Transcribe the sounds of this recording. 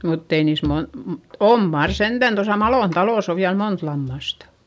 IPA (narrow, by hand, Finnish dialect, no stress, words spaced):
mutː ei niːs mon m om mɑr sentæn tosɑ mɑloˑn tɑloˑs o ʋiæl mont lɑmːɑstɑ̥